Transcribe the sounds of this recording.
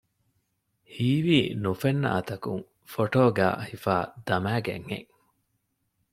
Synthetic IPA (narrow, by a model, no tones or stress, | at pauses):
hiːʋiːnufenːɐ̰ʔɐt̪ɐkuŋ | foʈoːɡæ̰ːhifaːd̪̥ɐmæːɡḛŋhḛŋ